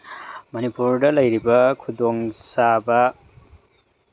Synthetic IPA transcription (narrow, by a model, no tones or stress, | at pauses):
mʌnipuɾdɐlɐjɾibɐkʰudɔŋsabɐ